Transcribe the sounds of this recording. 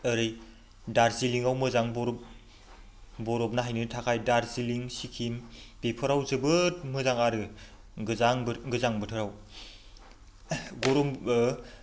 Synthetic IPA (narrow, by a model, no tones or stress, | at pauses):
əɾɯj | daɾsiliŋawmɯzaŋbɔɾ | bɔɾɔp̚naɦajnɯtʰakʰajdaɾsiliŋsikʰimb̥epʰɔɾawzɯbɯt̚mɯzaŋaɾɯ | zaŋɡɯzaŋbɯtʰɯɾaw | ɡɔɾɔm